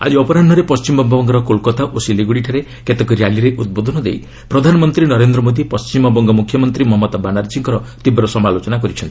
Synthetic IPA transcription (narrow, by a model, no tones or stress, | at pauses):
a̰d͡ʒiɔpɔɾanɖ̤ɔɾepɔst͡ʃimɔmbʱɔbɔŋɡɔɾɔkolkɔt̪aʔosiliɡuɽiʈʰaɾe | ket̪ekɔɾjaliɾeʔud̪̚bod̪ʱɔnɔd̪ḛj | pɾɔd̪ʱanɔmɔnt̪ɾinɔɾend̪ɾɔmod̪ipɔst͡ʃimɔbɔŋɡɔmukʰjɔmɔnt̪ɾimɔɦɔmːɔd̪banaɾsiŋkɔɾɔt̪ibeɾɔsɔmalot͡ʃɔnakɔɾit͡ʃʰɔnt̪ii